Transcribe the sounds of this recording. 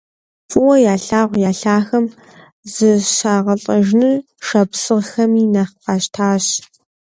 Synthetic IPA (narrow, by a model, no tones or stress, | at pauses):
fʼʊwɐjaːɬaːʁʷjaːɬaːxɐm | zɨɕaːʁɐɬʼɐʒnɨ | ʃɐpsɨʁxɐmiːnɐχqɑɕtʰaːɕ